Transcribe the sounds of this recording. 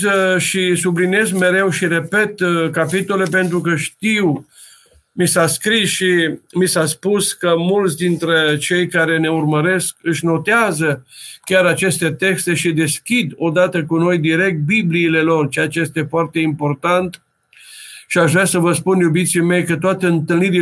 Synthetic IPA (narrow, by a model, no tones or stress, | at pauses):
əʃisublinie̞zmeɾe̞wʃiɾe̞pe̞t̪kapit̪ole̞p̬e̞nt̪ɾukəʃt̪iw | misaskɾisʃimisaspuskəmult̪sʲd̪int̪ɾe̞t͡ʃe̞jkaɾe̞ne̞urməɾe̞skɨʃno̞t̪eazəkːʲaɾat͡ʃe̞st̪e̞t̪e̞kst̪e̞ʃid̪e̞skʲid̪o̞d̪at̪əkuno̞jd̪iɾe̞k̚t̪̚bibliːle̞lo̞rt͡ʃejat͡ʃejest̪e̞foart̪e̞impo̞rt̪ant̪ | ʃiaʒvɾasəvəspunjubit̪sime̞jkət̪oat̪eɨnt̪ɨlniɾi